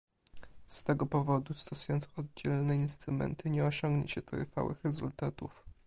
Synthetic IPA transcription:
st̪ɛɡɔpɔvɔd̪ust̪ɔsujɔnt̪sɔd̪̚d͡ʑɛlnɛinst̪ɾumɛ̰nt̪ʰɘɲɛɔɕɔŋɡɲɛ̰ɕɛt̪ɾfa̰wɘ̰xɾɛzult̪at̪uf

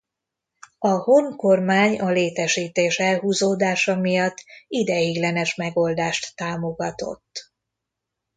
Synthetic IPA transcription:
ɒhoŋko̞rmaːɲɒleːt̪ɛʃiːt̪eːʃɛlɦuːzoːd̪aːʃɒmijɒt̪ːid̪ɛjiɡlɛnɛʃmɛɡo̞ld̪aːʃt̪ːaːmo̞ɡɒt̪o̞̰t̪ː

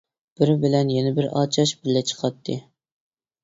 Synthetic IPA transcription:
b̥ɪɾɪbɪlɛnjɛnɪbɪɾʔɑ̰ːt͡ʃʰɑʃbɪɾlɛt͡ʃʰə̥qʰɑt̪ʰːɨ

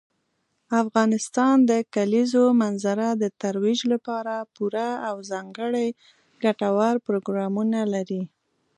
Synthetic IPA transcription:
afɣɑnɪst̪ɑnd̪əkalizomanzaɾad̪ət̪aɾwid͡ʒlapɑɾapuɾaːwzɑŋɡəɽaj | ɡaʈawaɾpɾoɡɾɑmunalaɾi

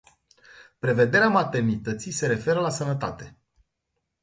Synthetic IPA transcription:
pɾe̞ve̞d̪e̞ɾeamat̪e̞rnit̪ət̪sijse̞ɾe̞fe̞ɾəlasənət̪at̪e̞

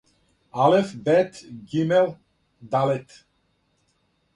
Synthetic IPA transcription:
alefbɛt̪ɡimɛl | d̪alɛt̪

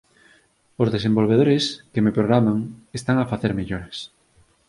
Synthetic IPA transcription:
ozðesembolβ̞eð̞oɾeskemepɾoɣɾamaŋest̪aŋafaθeɾmeʎoɾes

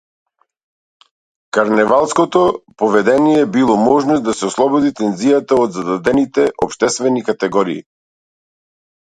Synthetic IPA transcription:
kaɾnɛvalˠskɔt̪ɔpɔvɛd̪ɛnijɛbilˠɔmɔʒnosd̪asɛɔslˠɔbɔd̪it̪ɛnzijat̪aod̪zad̪ad̪ɛnit̪ɛʔɔpʃt̪ɛst̪vɛnikat̪ɛɡɔɾiḭ

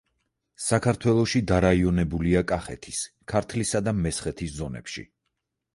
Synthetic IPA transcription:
sakʰaɾt̪ʰwɛlˠɔʃid̪aɾaiɔnɛbuliakʼaχɛt̪ʰis | kʰaɾt̪ʰlisad̪amɛsχɛt̪ʰiszɔnɛ̰pʃḭ

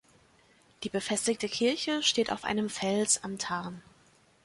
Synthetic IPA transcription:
d̥iːbəfɛstɪktəkʰɪɐçəʃteːta̰ʊfʔa̰ɪnəmfɛlsa̰mtʰaɐn

